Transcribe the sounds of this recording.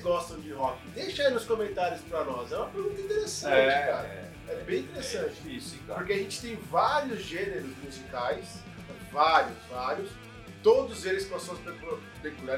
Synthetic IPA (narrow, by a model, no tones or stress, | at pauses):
zɡɔst̪ɐ̃w̃d͡ʒɪɦɔkiɪ̃d̪ejʃɐĩnʊskõmẽnt̪aɾjʊspɾɐnɔzɛũmɐpeɾɡũt̪ɐĩt̪eɾesɐ̃t͡ʃɪka̰ɾɐ | ɛbẽj̃ĩt̪eɾesɐ̃t͡ʃɪɪiskpoɾkeaʒẽnt͡ʃɪ̥t̪ẽj̃vaɾiʊzʒẽneɾʊzmuzikajs | ɛ | vaɾjʊzvaɾjʊs | t̪od̪ʊzelɪspɔsõw̃spɾek | pɾekuɾa